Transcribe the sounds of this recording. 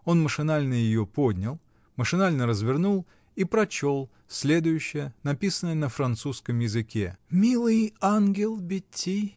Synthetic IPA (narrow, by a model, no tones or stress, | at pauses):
o̞nməʂɨnalʲnəjɪjo̞po̞d̪ʲnʲɪlˠ | məʂɨnalʲnəɾəzvʲɪrnulˠ | ipɾɐt͡ɕo̞lˠ | sʲlʲe̞d̪ʊjʉɕːɪjənɐpʲisənəjənəfɾɐnt̪suskəmjɪzɨkʲemʲilˠɨjanɡʲɪlˠbʲɪtʲʰːi